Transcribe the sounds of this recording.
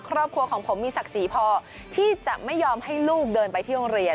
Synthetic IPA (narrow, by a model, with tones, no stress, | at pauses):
kʰɾɔː˥˩p̚kʰɾu˧ɐəkʰɔː˩˦ŋpʰo˩˦mːiː˧sa˨˩k̚siː˩˦pʰɔː˧ | t̪ʰiː˥˩t͡ɕa˨˩ʔma˥˩jːɔː˧mha˥˩jluː˥˩k̚dɤː˧npa˧jt̪ʰiː˥˩o˧ŋɾi˧ə